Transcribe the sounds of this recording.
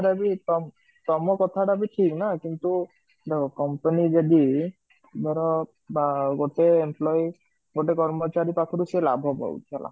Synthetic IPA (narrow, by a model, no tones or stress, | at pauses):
ɖabit̪ɔ | t̪ɔmɔkɔt̪ʰaɖabiʈʰiknakint̪u | d̪ekʰɔkɔmpanid͡ʒad̪i | bɛɾɔ | baɡoʈeemplɔj | ɡoʈekɔɾmɔt͡ʃaɾipakʰɔɾusela̰bʱɦɔbɔ̰ṵt̪ʰala̰